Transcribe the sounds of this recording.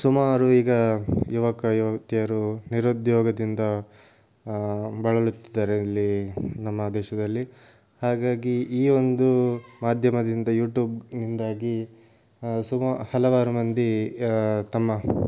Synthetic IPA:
sumaːɾuiːɡɐjuʋɐkɐjuʋɐt̪ijɐɾuniɾud̪joːɡɐd̪ind̪ɐ | bɐɭɐɭut̪ːid̪aːɾeilːinɐmːɐaːd̪ɛːʃɐd̪ɐlːi | haːɡaːɡiʔiːond̪umaːd̪ʱjɐmɐd̪ind̪ɐjuːʈjuːbnind̪aːɡi | suahɐlɐʋaːɾumɐnd̪i | t̪ɐmːɐ

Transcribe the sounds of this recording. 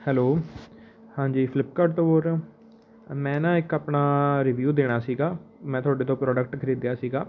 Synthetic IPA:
hɛːloː | hãːɲd͡ʒiːpʰlɪpkaːɖt̪ooːɾ | mɛ̃ːnãːɪkaːpnaːɾiːʋjuːd̪eːɽ̃aːsiːɡaː | mɛ̃ːt̪ʰʊaːɖeːt̪õːpɾɔːɖək̚ʈkʰəɾiːd̪jaːsiːɡaː

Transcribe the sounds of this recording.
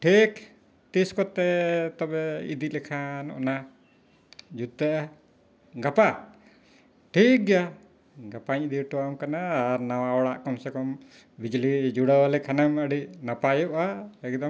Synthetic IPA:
ʈʰik | t̪iskɔt̪ɛt̪ɔbɛḭd̪it̚lɛkʰanɔ̰na | d͡ʒut̪ːəʔa | ɡapa | ʈʰik̚ɡja | ɡapaɲid̪iʈɔwamkanaːɾnawaɔɽaʔkɔmsɛkɔm | bid͡ʒlid͡ʒuɽawalɛkʰanaməɖiʔnapajuʔaɛk̚d̪ɔ

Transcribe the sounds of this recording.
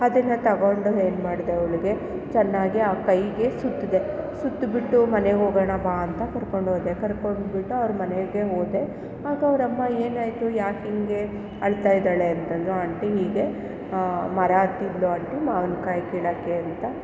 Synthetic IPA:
ɐd̪ɐnːɐt̪ɐɡoɳɖueːnmaːɽid̪eɐʋɐɭiɡe̞ | t͡ʃɛnːaːɡiaːkɐjɡe̞sut̪ːid̪e̞sut̪ːbiʈːumɐneɡɦoːɡɐɳɐbaːɐnt̪ɐkɐɾkoɳɖoːd̪ekɐɾkoɳɖbiʈːuɐʋɾɐmɐneɡe̞ɦoːd̪e | aːɡɐɐʋɐɾɐmːɐe̞ːnaːjt̪ujaːkiŋɡe̞ | ɐɭit̪aːjid̪aːɭeɐnt̪ɐnd̪ɾuɐɳʈiɦiːɡe̞ | mɐɾaɐɾt̪id̪luɐɳʈimaːʋɐnukaːjkiːɭaːkːeɐnt̪ɐ

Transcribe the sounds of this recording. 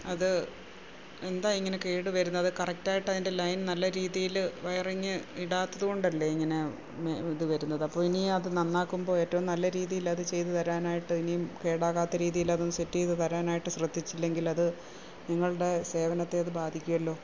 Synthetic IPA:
ɐðɨ | end̪aːiŋːɐne̞ke̞ːɽɨʋɐɾunːɐðɨkɐrɐk̚taːjiʈːɐðinde̞lɐjnnɐlːɐɾiːðijilʋɐjɐrɐŋːɨiɽaːt̪ːɐðuɣo̞ɳɖɐlːeiŋːɐne̞ | miðɨʋɐɾunːɐðɨɐpːo̞ːinijɐðɨnɐnːaːkːumbo̞ːeːtːɐʋumnɐlːɐɾiːðijilɐðɨt͡ɕe̞jt̪̬ɨt̪ɐɾaːnaːjiʈːɨinijumke̞ːɽaːkːaːt̪ːɐɾiːðijilɐðonːɨɕetːejt̪ɨt̪ɐɾaːnaːjiʈːɨɕrɐd̪ʱːit͡ɕːilːe̞ŋɡilɐðɨ | niŋːɐɭuɽe̞se̞ːʋɐnɐt̪ːe̞ɐðɨbaːd̪ʱikʲːumɐlːo̞ː

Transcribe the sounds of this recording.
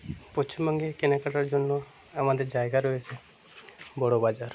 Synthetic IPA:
pʊt͡ʃʰmə̃ŋɡekɪnakəʈəɾd͡ʒʊnːõː | ɐmãːd̪ed͡ʒaːɪɡaɾoese | bəɽobaːd͡ʒaːɾ

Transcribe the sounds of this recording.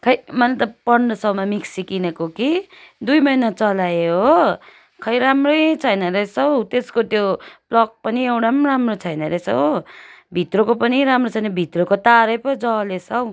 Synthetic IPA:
kʰʌjmʌnt̪ʌpʌɳɖʌsʌwmamikssikinʌkoki | d̪ujmʌjnat͡sʌlajeɦo | kʰʌjɾamrʌjt͡sʰʌjnʌɾʌsʌwt̪eskot̪joplʌk̚pʌniewʈamramrot͡sʰʌjnʌɾesʰʌwbʱit̪rokopʌniɾamrot͡sʰʌjnʌbʱit̪rokot̪aɾʌjpʌd͡zʌlesʌw

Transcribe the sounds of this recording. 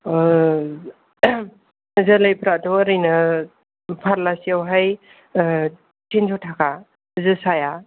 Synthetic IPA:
zalajpʰɾatɔɾɯjnɯ | pʰaɾlasijawɦaj | tʰensʰɔtʰakʰa | zɯsaja

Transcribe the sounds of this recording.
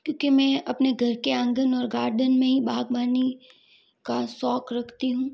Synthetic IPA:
kjõːkimɛ̃ɐpneɡʱɐɾkeɐ̃ŋɡənɔːɾɡaːɾɖənmẽɦibaːɡ̚baːni | kasɔːkɾɐkʰt̪iɦũː

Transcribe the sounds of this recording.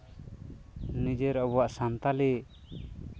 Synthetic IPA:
nid͡ʒɛɾɔbɔwaʔsant̪ali

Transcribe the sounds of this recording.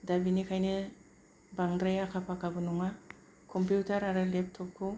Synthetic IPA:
dabinikʰajne | baŋdɾajakʰapʰakʰabɯnɔŋa | kʰɔmpjutʰaɾaɾɯlep̚tʰɔp̚kʰu

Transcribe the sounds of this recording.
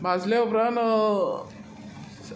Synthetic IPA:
bʱad͡zljaupɾan

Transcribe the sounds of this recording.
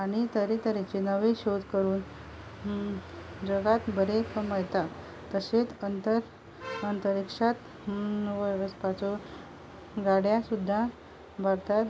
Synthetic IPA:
aɽ̃it̪əɾit̪əɾit͡ɕinəʋiɕod̪kəɾuːn | d͡ʑəɡat̪bʱəɾekəmajt̪a | t̪əɕet̪ənt̪əɾ | ənt̪əɾikʂat̪ | ʋəspat͡sɔ | ɡaɽjasud̪ʱːa | baɾt̪at̪

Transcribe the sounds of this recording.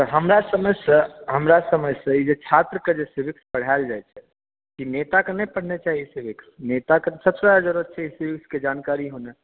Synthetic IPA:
t̪ɔɦəmɾasəməjsə̃ɦəmɾasəməjsəid͡ʒet͡ʃʰat̪ɾəked͡ʒesebikspəɽ̤aɪld͡ʒajt͡ʃʰɛ | kinet̪akenɛjpəɽ̤net͡ʃaɦiesebiksnet̪aket̪səbsad͡ʒəɾut͡ʃʰɛisebiksked͡ʒankaɾiɦone

